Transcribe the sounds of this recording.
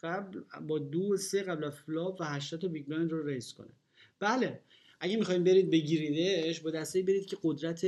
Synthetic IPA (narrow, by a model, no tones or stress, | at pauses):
æblbɒːd̪oseɣæblæzflɒːbvæɦæʃ̬t̪ɒd̥̪t̪ʰɒbiɡlɒjnd̪roɾejskʰo̰nḛ | b̥æle | ʔæɟæmixɒːhimbe̞ɾiːd̪̚beɟiɾid̪eʃbɒd̪æst̪ejibe̞ɾiːd̪̚cʰe̞ɡod̪ɾæt̪ʰe